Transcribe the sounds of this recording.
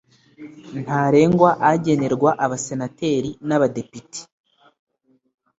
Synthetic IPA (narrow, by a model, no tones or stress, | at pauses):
n̥haːɾe̞ːŋɡwaʔaɟe̞ne̞ɾɡwaʔaβase̞nate̞ːɾinaβade̞piti̥